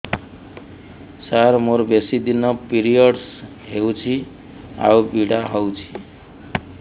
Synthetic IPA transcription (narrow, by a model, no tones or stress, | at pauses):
saɾmoɾbesid̪inʌpiɾijʌɽs | ɦewt͡sʰi | a̰wbiɽaɦʌwt͡sʰi̥